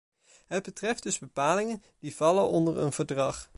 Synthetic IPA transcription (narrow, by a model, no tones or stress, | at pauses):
ɦəd̚bətrɛfd̥ɵzbəpaːlɪŋən | d̥iv̥ɑlənʔɔndərə̰nv̥əɹdrɑχ